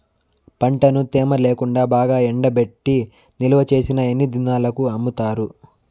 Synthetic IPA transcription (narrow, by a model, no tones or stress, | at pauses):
pɐɳʈɐnut̪eːmɐleːkuɳɖaːbaːɡaːɛɳɖɐbe̞ʈːi | niluʋɐt͡ʃe̞ːsinɐe̞nːid̪inaːlɐkuɐmːut̪aːɾu